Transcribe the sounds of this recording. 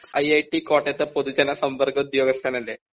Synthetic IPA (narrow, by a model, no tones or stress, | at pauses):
ɐjɐjʈikoːʈːet̪ːepod̪ud͡ʑɐnɐsɐmpɐrkɐud̪joːɡɐst̪ʰaːnɐlːe